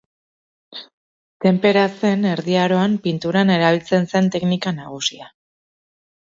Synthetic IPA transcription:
t̪e̞mpe̞ɾase̞ne̞ɾðiaɾo̞ampint̪uɾane̞ɾaβilt͡se̞nse̞nt̪e̞knikanaɣ̞usia

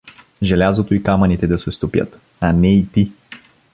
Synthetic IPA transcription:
ʒɛlʲazot̪oikamɐnit̪ɛd̪ɐsɛst̪opjə̰t̪ | anɛit̪i

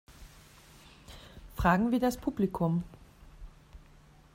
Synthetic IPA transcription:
fʁ̥aːɡŋ̩viːdaspʰuːblikʰʊm

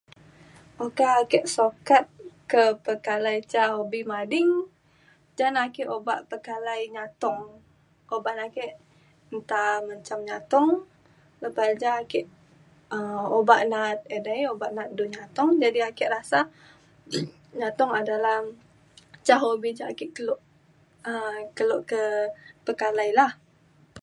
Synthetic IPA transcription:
ʔokaːkɛʔsokat̪̚kəpəkalajt͡ʃaɦobimadɪŋ | d͡ʒanakɛʔobaʔpəkalajɲat̪ɔŋ | obaʔnakɛʔ | nt̪amaɲt͡ʃamɲat̪ɔŋ | ləpasd͡ʒaːkɛʔ | əmobaʔnat̪̚edajobaʔnat̪̚duɲat̪ɔŋd͡ʒadiakɛʔrasa | ɲat̪ɔŋadalah | t͡ʃaɦobid͡ʒakɪʔkəloʔ | əkəloʔkəpəkalajlah

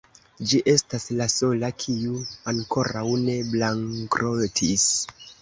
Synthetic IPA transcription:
d͡ʒiʔe̞staslaso̞lakʰiuaŋko̞ɾawne̞blaŋkɾʔotʰis

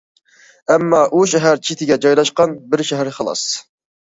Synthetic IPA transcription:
ɛmːɑʔuʃɛɦæɾt͡ʃʰit̪ʰɪɡʲɛd͡ʒɑjlˠɑʃqɑnbɪɾʃɛɦæɾχɑlˠɑ̰s

